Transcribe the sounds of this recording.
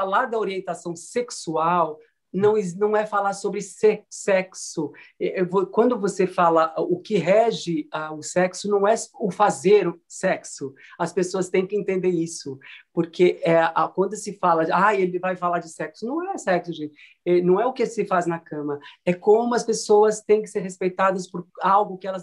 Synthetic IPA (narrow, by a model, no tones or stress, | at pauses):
falaɾd̪ɐoɾiẽnt̪asɐ̃w̃seksuaw | nɐ̃w̃znɐ̃w̃ɛfalaɾsobɾɪsesɛksʊɛvokwɐ̃nd̪ʊvosefalɐʔʊkɪɦɛʒɪaʊsɛksʊnɐ̃w̃ɛʊfazeɾʊsɛksʊɐspesoɐst̪ẽj̃kɪẽnt̪ẽnd̪eɾisʊpoɾkʰeɛʔakwɐ̃nd̪ʊsɪfalɐajelɪvajfalaɾd͡ʒɪsɛksʊnɐ̃w̃ɛsɛksʊʒẽt͡ʃɪ | ɛnɐ̃w̃ɛʊkɪsɪfaznɐkɐ̃mɐɛkõmʊɐspesowɐst̪ẽj̃kɪ̥seɾhespejt̪ad̪ɐspoɾawɡʊkɪɛlɐz